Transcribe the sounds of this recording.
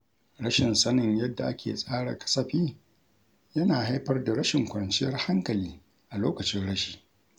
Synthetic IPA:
ɽɐ˦ʃɪ˨nsɐ˦nɪ˨ɲjɐ˦dːa˨ʔa˦kʲḛː˨sʼaː˦ɽa̰˨kɐ̥˦sɐ˦ɸiː˦ | jɐ˦naː˨ha˦jɸɐ˦rda˨ɽɐ˦ʃɪ˨ŋkʷɐ˨nt͡ʃɪ˦jɐ˦rha˦ŋkɐ˨liː˦ | ʔa˨loː˦kɐ˨t͡ʃɪ˦nɽɐ˦ʃi̥ː˨

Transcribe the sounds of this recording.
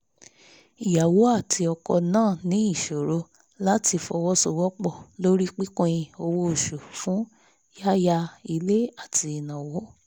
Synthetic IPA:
i˨ja˨wo˨˦a˦˨tʰi˧ɔ˧kɔ̰˧nãː˦˨nĩ˨˦i˦˨ʃo˨ɾo˧˦ | la˦ti˧fɔ˧wɔ˦so˧˨wɔ˦k͡pɔ˦˨lo˦ɾi˦k͡pi˦kõ˦j̃ĩ˧o˧wo˦o˨ʃu˨fũ˨˦ | ja˦ja˧i˧le˦a˦˨tʰi˧i˨nã˨wɔ˨˦

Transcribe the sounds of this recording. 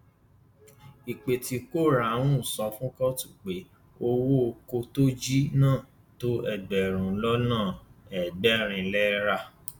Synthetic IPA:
i˨k͡pe˨ti˧ko˦˨ɾa˨˦w̃ũ˦˨sɔ˧fũ˦kɔ˦tu̥˦˨k͡pe˨˦ | o˧wo˦o˧ko˧to˦d͡ʒi˦nãː˦˨ | to˦ɛ˦˨ɡ͡bɛ˨ɾ̃ũ˨˦lɔ˦nãː˦˨ɛ˨ɡ͡bɛ˦ɾ̃ĩ˧lɛ˦ɾa˦˨

